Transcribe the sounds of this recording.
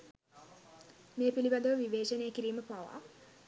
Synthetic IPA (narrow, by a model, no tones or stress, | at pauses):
meːpilibad̪əʋəʋiʋeːʃɐnejəkiɾiːməpaʋa̰